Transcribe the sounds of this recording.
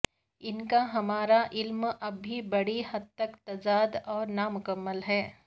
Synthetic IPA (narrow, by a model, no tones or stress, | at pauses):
ɪnkaɦɐmaːɾaʔɪlmɐbʱibɐɽiɦɐd̪̚t̪ːəkt̪ɐzaːd̪ɔːɾnamʊkəmːəlɦɛː